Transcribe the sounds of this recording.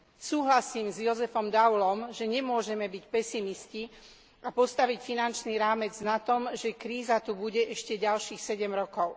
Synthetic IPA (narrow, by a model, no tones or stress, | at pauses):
suːɦlasiːmzjɔzɛfɔmd̪awlɔmʒɛɲɛmʊɔʒɛmɛbicpɛsimisci | apɔst̪aʋicfinant͡ʃniːɾaːmɛd͡znat̪ɔmʒɛkɾiːzat̪ubuɟɛʔɛʃcɛɟalʃiːxsɛɟɛmɾɔkɔʊ